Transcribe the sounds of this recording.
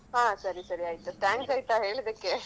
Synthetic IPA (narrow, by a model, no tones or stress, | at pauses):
ɦãːsɐɾisɐɾiaːjt̪uʈaːŋɡsaːjt̪aɦeːɭd̪ekːe